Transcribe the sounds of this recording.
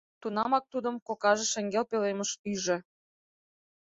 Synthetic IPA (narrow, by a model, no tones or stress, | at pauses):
t̪unɑmɑk̚t̪ud̪ə̆mkokɑʒĕʃeŋɡelpeleməʃyʒĕ